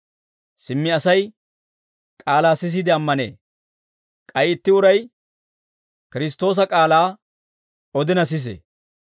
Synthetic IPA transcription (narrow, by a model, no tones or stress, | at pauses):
sɪmːɪɐsɐj | kʼaːlaːsɪs̬ɪd̪ɪɐmːɐnḛː | kʼɐjɪt̪ːɪʊɾɐj | kɪɾɪst̪ːo̞ːs̬ɐkʼaːlaː | ɔd̪ɪnɐs̬ɪs̬ḛ